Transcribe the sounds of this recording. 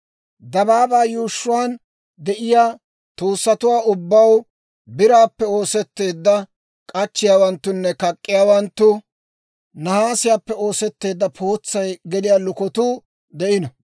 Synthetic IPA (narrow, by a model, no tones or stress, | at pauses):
d̪ɐbaːbaːjuːʃːʊwaːn | d̪ɛʔɪjaː | t̪uːsːɐt̪ʊwaːʊbːɐw | bɪɾaːpːɛo̞ːsɛt̪ːe̞ːd̪ːɐ | kʼɐt͡ʃːɪjaːwɐnt̪ːʊnːɛkɐkʼːɪjaːwɐnt̪ːʊ | nɐhaːsɪjaːpːɛoːsɛt̪ːe̞ːd̪ːɐpʰo̞ːt͡sːɐjɡɛlɪjaːlʊkɔt̪uː | d̪ɛʔɪnɐ